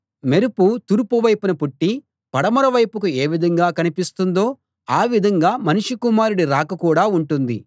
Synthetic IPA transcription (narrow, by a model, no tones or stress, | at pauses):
meɾuput̪uɾupuʋɐjpunɐpuʈːi | pɐɽɐmɐɾɐʋɐjpukue̞ːʋid̪ʱɐŋɡaːkɐnipist̪und̪o̞ː | aːʋid̪ʱɐŋɡaːmɐnuʂikumaːɾuɽiɾaːkɐkuːɽaːuɳʈund̪i